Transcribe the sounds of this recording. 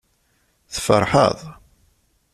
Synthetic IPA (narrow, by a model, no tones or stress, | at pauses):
θfə̰ɾˤħə̰ðˤ